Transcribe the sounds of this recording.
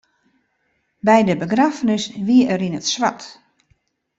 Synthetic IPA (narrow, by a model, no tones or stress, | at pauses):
bɛjdəbəɡrafənəsʋiəəɾinətswa̰t